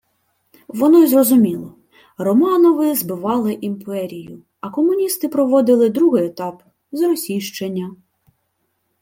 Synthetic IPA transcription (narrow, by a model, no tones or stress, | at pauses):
ʋɔnɔzrɔzʊmʲilˠɔ | rɔmɑnɔʋɪzbɪʋɑlˠɪʔimpɛɾʲijʊ | ɐkɔmʊnʲist̪ɪpɾɔʋɔd̪ɪlˠɪd̪ɾuɦɪjet̪ɑp | zrɔsʲiʃt͡ʃenʲːɐ